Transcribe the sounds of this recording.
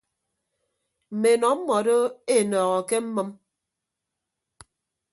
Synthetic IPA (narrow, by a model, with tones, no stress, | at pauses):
m̩˨me˨nɔ˨˦m̩˦mɔ˨do˦e˦˨nɔː˨ɣɔ˨ke˦m̩˦mɨ˦m